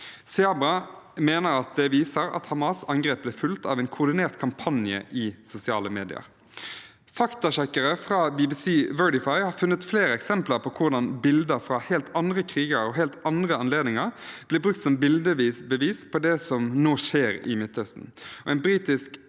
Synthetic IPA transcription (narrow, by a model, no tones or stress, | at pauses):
sɛɑbɑmeːnəɾɑt̪̚d̪ɛʋiːsəɾɑ̰t̪hɑmɑsɑŋɡʁeːp̚blɛfʉlt̪ɑ̰ʋɛɪnkʰʊʁd̪ɪneːʁt̪kʰɑmpʰɑnjə̰ʔɪsʊsɪɑːləmeːd̪ɪ̰ə̰ɾ | fɑkt̪ɑɕɛkəɾəfʁɑːbibisiːʋɜːɖɪfɑɪhɑʁfʉnːət̪fleːɾəɛksɛmpləʁpʰɔkʰʊʁd̪ɑnbɪld̪əɾfɾɑhɛːlt̪ɑnd̪ʁəkʰʁiːɡəɾɔɦɛːlt̪ɑnd̪ʁəɑnleːd̪nɪŋəʁb̥lɪbʁʉk̚t̪sɔmbɪld̪əʋiːsbəʋiːspʰɔd̪ɛsɔmnoːʃeːɾɪ̰mɪt̪ːhœst̪n̩ɔʔɛɪnbɾiːt̪ɪsk